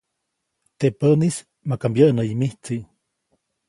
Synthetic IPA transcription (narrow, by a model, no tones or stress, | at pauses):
t̪epənis | makambjəʔnəimiht͡siʔ